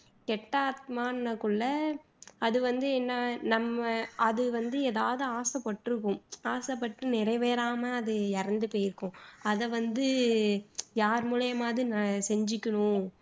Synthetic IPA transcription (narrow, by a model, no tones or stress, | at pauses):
kɛʈːaːt̪̚maːnɐkːɯɭːɐ | ɐðɯʋɐnd̪ɯɛːnːaːnɐmːɐɐðɯʋɐnd̪ɯeːðaːʋɐðɯaːsɐpːɐʈːɯɾɯkːʊ̃maːsɐpːɐʈːɯnɪɾɐɪʋeːɾaːmɐɐðɯɛɾɐnd̪ɯpoːjɪɾɯkːʊ̃ɐðɐʋɐnd̪ɯ | jaːɾmuːlɐjɐmaːðinasɛɲd͡ʒɪkʲːɐɳʊ̃